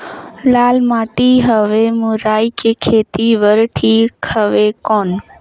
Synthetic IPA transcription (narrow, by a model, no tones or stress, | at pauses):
laːlmaːʈiɦəʋemuɾaːikekʰeːt̪iʋəɾʈʰiːkhəʋekoːn